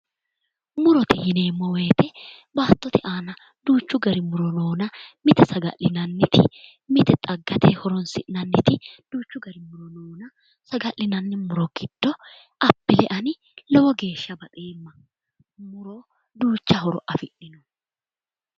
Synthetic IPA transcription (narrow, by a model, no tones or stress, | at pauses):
mʊɾɔt̪ɪhɪne̞ːmːɔwe̞ːt̪ɛ | baːt̪ːɔt̪ɪʔaːnɐ | d̪uːt͡ʃːʊɡɐɾɪmʊɾɔno̞ːnɐmɪt̪ɛsɐɡɐ̰ʔɪnɐnːɪt̪ʰɪ̰ | mɪt̪ɛt̪ʼɐɡːɐt̪ʰɛhɔɾɔnsɪ̰ʔnɐnːɪt̪ɪd̪̥uːt͡ʃːʊɡɐɾɪmʊɾɔnoːnɐ | sɐɡɐlɪnɐnːɪmʊɾɔɡ̥ɪd̪̥ːɔ | ɐbːɪlɛʔɐnɪ | lɔwɔɡe̞ːʃːɐbɐt̪ʼeːmːɐ | mʊɾɔ | d̪uːt͡ʃːɐɦɔɾɔ̰ʔɐfɪʔɪnɔ